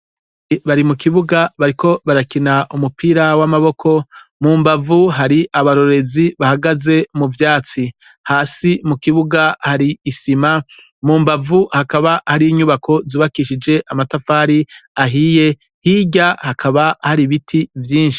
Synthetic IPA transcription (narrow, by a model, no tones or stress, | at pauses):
βaɾimukiβuɡaβaɾikʰo̞βaɾakinaʔumupʰiːɾawamaβo̞kʰo̞muːmbavuɦaɾiʔaβaɾo̞ɾe̞ziβahaɡaze̞muvjaːt͡si | haːsimukiβuɡahaɾiːsima | muːmbavuhakaβahaɾiːɲuβakʰo̞zuːβakiʃid͡ʒe̞ʔamatafaːɾiaɦiːje̞ | hiɟahakʰaβahaɾiβitʰivjiːnʃi̥